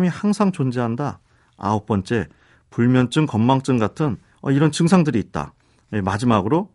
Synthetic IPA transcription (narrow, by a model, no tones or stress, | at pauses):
mihaŋsʰaŋt͡ɕond͡ʑeɦanda | a̰uk̚p͈ʌnt͡ɕ͈e̞ | puɭmjʌnt͡ɕ͈ɯŋkʌmːaŋt͡ɕ͈ɯŋɡatʰɯn | ʌiɾʌnt͡ɕɯŋsʰaŋdɯɾiːt̚t͈a̰ | je̞mad͡ʑimaɡɯɾo